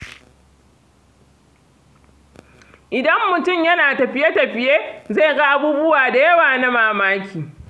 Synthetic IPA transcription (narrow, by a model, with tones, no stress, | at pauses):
ʔɪ˨dɐ˦mːʊ˨tʊ˦˨mjɐ˦naː˨tɐ˨ɸɪ˨je˦tɐ˨ɸɪ˨jeː˦ze˦˨jɡa˦ʔa˦buː˦bʊ˦waː˨da˨jɐ˦waː˨na˦maː˦˨maː˦kʲʰiː˨